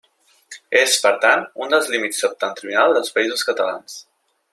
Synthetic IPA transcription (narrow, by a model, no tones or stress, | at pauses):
espəɾt̪anund̪əlˠzlimisəp̚t̪ənt̪ɾiunalˠd̪əlˠspəizuskət̪əla̰ns